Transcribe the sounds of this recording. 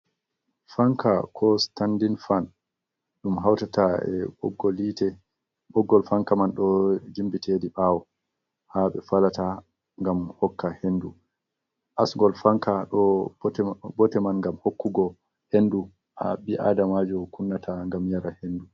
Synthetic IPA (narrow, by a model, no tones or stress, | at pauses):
faŋkakʰɔstandinfan | ɗumɦawtataɛ̰bɔ̰ɡːolitɛ | bɔɡːɔlfaŋkamanɗɔd͡ʒimbitʰediɓaːwɔ | haɓɛ̰falata | ŋɡamhɔkʰːahendu | ʔasŋɡɔlfaŋkaɗɔ | bɔtɛmanŋɡamhokːuɡɔ | hendu | ʔa̰ɓiʔa̰damad͡ʒukunːatʰaŋɡamjaɾahendu